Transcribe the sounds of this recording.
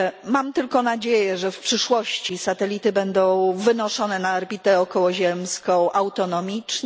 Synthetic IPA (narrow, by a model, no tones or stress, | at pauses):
mamt̪ɘlkɔnad͡ʑejɛʐɛfpʂɘʂwɔɕt͡ɕisat̪ɛlʲit̪ɘbɛnd̪ɔ̃w̃vɘnɔʂɔnɛnaːɾbʲit̪ɛɔkɔwɔʑɛmskɔ̃w̃ʔawt̪ɔnɔmʲit͡ʂɲ